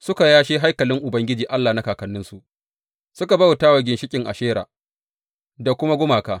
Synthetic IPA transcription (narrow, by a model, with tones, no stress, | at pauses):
sʊ˦ka˨jaː˦ʃeː˦ɦa˦jkɐ˨lɪ˦ŋʔʊ˨bɐ˦ŋɡʲɪ˦d͡ʒiː˨ʔa˦lːaː˨na˦kaː˨kɐ˦nːɪ˦nsu˨ʔ | sʊ˦ka˨bɐ˦wu˨taː˦wa˨ɡʲɪ˨nʃɪ˦kʲʼɪ˨ŋʔa̰˨ʃeː˦ɾa̰ː˨ | da˨kʷʊ˦ma˦ɡʷʊ˦maː˨kaː˦